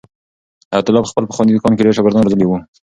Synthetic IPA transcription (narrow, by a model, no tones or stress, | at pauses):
at̪ɪlɑpəxpəlpəxwanid̪ʊkɑnkeɾeʃaɡəɾd̪ɑnɾozəlewu